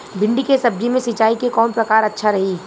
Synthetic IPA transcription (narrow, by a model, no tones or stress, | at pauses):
bʱɪ̃ɳɖikesɐb̚d͡ʒimẽsɪt͡ʃaːikekɔːnpɾɐkaːɾɐtːʃʰaɾɐɦiː